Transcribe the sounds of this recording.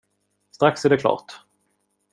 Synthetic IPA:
st̪ɾaksæɖɛkʰlɑ̰ːʈ

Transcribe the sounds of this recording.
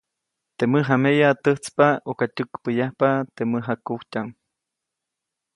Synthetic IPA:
t̪eməɦamejat̪əht͡spaokat̪ukpəjahpat̪eməɦakuwc̪ʲaŋ

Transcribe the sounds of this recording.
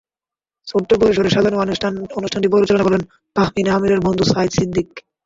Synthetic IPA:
soʈːopoɾiʃ̬oɾeɾʃad̪ʱaɾnonuʃʈʰanʈibɔlot͡ɕalanabɔlen | p̪aɦminamiɾeɾbond̪ʱusaid̪sid̪ːik

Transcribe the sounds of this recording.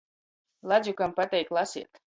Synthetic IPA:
lˠadzʲukampat̪ʲɛjklˠasḭɛt̪

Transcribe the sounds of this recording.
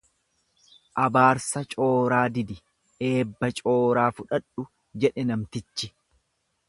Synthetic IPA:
ʔɐbaːɾsɐt͡ʃʼo̞ːɾaːd̪ɪd̪ɪ | e̞ːbːɐt͡ʃʼo̞ːɾaːfʊᶑɐᶑʊ | d͡ʒɛᶑɛnɐmt̪ɪt͡ʃːɪ

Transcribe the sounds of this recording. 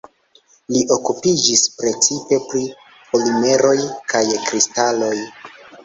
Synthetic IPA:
liʔo̞kupid͡ʒispɾe̞t͡sipe̞pɾi | polime̞ɾʔo̞jkʰajkɾistalo̞j

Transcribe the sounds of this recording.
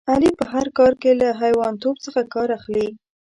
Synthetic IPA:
alipəɦaɾkɑɾkelaɦajwɑnt̪obt͡səxakɑɾaxli

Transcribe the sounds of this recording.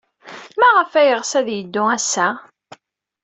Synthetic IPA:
mæʁəfæjəʁsæðjəd̪ːʊæsːæ

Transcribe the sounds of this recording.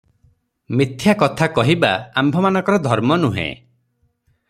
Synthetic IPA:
mit̪ʰjakɔt̪ʰakɔɦibaambʱɔmanɔ̃ŋkɔɾɔd̪ʱɔɾmɔnuɦḛ̃

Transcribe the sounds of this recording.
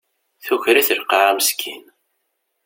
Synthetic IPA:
θuçɾiθəlqɑʕaməskʰin

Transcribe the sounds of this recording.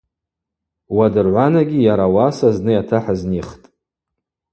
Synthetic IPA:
wadɨrʕʷanaɡʲijaɾawasaznɨjatʰaħazniχtʼ

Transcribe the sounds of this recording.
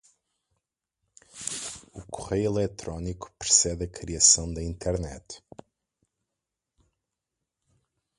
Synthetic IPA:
ukuʁejilˠɛt̪ɾɔniku̥pɾsɛðɐkɾiɐsɐ̃w̃d̪ɐĩnt̪ʰɛɾnɛt̪

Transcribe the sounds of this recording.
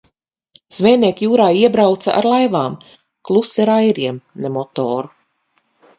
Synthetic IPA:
z̥vɛːniɛkjuːɾaːiɛbɾawt̪sa̰ʔa̰ɾlˠajvaːm | klˠusiɾajɾiɛmnemɔt̪oːɾu

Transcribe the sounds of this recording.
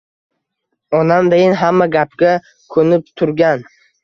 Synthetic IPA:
ɒnamd̪ejɪnɦamːaɡʲap̚ɡʲa | kʰɵnɪp̚t̪ʰʊɾɡʲan

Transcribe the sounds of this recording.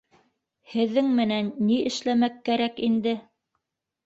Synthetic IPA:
hɘ̆ðːɘŋmɘ̆nænːiʔɘ̆ʃlæmækːæɾækind̪ɘ

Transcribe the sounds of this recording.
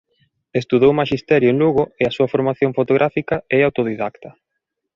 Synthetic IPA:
est̪uðowmaʃist̪ɛɾjʊenluɣoeasuɐfoɾmaθjõɱfot̪oɣɾʔafikɐɛawt̪oðiðakt̪ɐ

